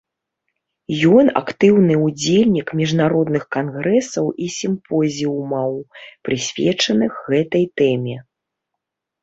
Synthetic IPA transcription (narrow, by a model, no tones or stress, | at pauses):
jɔna̰kt̪ɨwnɨud͡zʲelʲnʲikmʲiʐnaɾɔd̪nɨxkanɣɾɛsɐwʔisʲimpɔzʲiumɐwpɾɨsʲvʲɛt͡ʂɐnɨxɣɛt̪ɐjt̪ɛmʲɛ